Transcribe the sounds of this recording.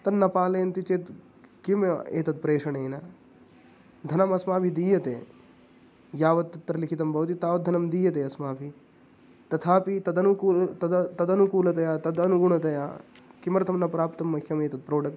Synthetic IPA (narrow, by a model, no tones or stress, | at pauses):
t̪ɐnːɐpaːlɐjɐnt̪it͡ʃeːt̪ | kimḛːt̪ɐt̪̚pɾeːʂɐɳeːnɐ | d̪ʱɐnɐmɐsmaːpʰid̪iːjɐt̪ḛ | jaːʋɐd̪̚t̪ːɐt̪ːɾɐlikʰit̪ɐmbʱɐʋɐt̪̬it̪aːʋɐt̪̚d̪ʱɐnɐmd̪iːjɐt̪eɐsmaːpʰi | t̪ɐt̪ʰaːpit̪ɐd̪ɐnukuːt̪ɐd̪t̪ɐd̪ɐnukuːlɐt̪ɐjaːt̪ɐd̪ɐnuɡuɳɐt̪ɐjaː | kimɐɾt̪ʰɐmnːɐpɾaːpt̪ɐmːɐkʰjɐmeːt̪ɐd̪̚pɾoːɖɐk̚